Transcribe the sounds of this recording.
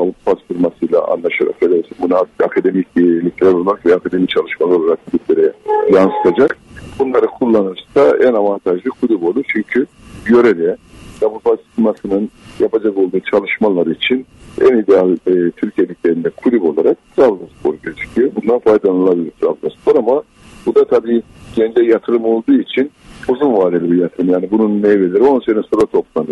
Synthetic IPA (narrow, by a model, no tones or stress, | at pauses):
abupʰat̪fuɾmasɯjlˠa̰ʔa̰nlˠaʃaɾa̰ked̪ɛsibunaakʰad̪e̞miclʲicʲlʲæɾo̞lˠaɾakvɛakʰad̪e̞mit͡ʃʰalˠɯʃmalˠaɾolˠaɾak̚kʰulʲyblʲeɾɛjansɯ̥t̪ʰad͡ʒak̚bunlˠaɾɯkʰulˠːanɯɾsaænavant̪ʰaʒlˠɯkʰulʲybo̞lˠut͡ʃʰyɲcʰy | jø̞ɾɛɾɛjabupat̪fɾmasɯnɯnjapʰad͡ʒako̞lˠd̪uːt͡ʃʰalˠɯʃmalˠaɾɯit͡ʃʰinænid̪ealʲːt̪ʰyɾcʰijelʲicʲlʲe̞ɾind̪ɛkʰulʲybo̞lˠaɾak̚ɾabzaspʰoɾuɟed͡ʒʰy̥ybund̪anfajd̪anɯlˠabilʲiɾt̪ʰɾa̰bzasplˠaɾama | bud̪at̪ʰabiː | ɟ̥ɛnd͡ʒɛjat̪ʰɯɾɯmo̞lˠd̪uːit͡ʃʰin | uzunvaːd̪elʲibijat̪ʰɯɾɯmjaːnibununːɛjvelʲɛɾo̞nsenɛsoɾat̪ʰo̞plˠanɯ